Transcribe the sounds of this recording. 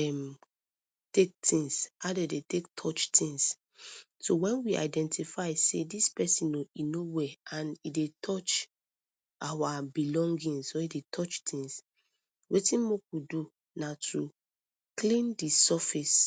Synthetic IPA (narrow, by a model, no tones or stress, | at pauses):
ɛm | tek̚tʰĩŋsaʊdedetek̚tʰɔt͡ʃtʰĩŋs | sowɛ̃nwia̰ɪdɛ̃ntʰifaɪsḛdispɛsĩnoinowɛãnidetʰɔt͡ʃ | awabilɔ̃ŋɡĩnsoidetʰɔt͡ʃtʰĩŋs | wetĩnmokudu | natʰu | klĩndisɔfis